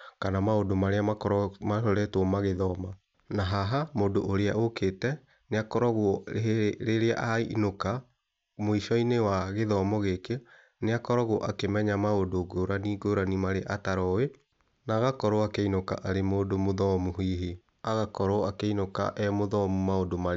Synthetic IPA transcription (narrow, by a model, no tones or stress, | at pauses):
kanamaodomaɾeamaɔmahɔɾɛtwɔmaɣeðɔma | naɦaɦamoːdoʔoɾeaʔoketɛ | neakɔɾɔɣwɔɾeɾea̰ʔainoka | moiʃɔinewaɣeðɔmɔɣeke | neakɔɾɔɣoɔʔakemɛɲamaodoɡoɾaniɡoɾanimaɾeʔataɾɔwe | naːɣakɔɾɔakeinoka̰ʔaɾemoːdomoðɔmuɦiːɦi | aɣakɔɾɔakeinoka̰ʔɛmoðɔmumaodoma